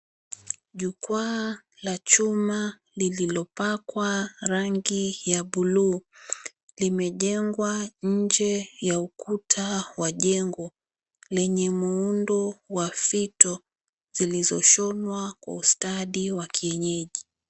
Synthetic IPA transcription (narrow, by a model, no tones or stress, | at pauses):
ʄukwa | lat͡ʃuma | lililɔpakwaɾaŋɡijaɓuluː | limɛʄɛŋɡwaɲ̩d͡ʒɛjaukutʰawaʄɛŋɡɔ | lɛɲɛmuundɔwafitɔ | z̥ilizɔʃɔnwakwa̰ustaɗiwakʰiɛɲɛʄi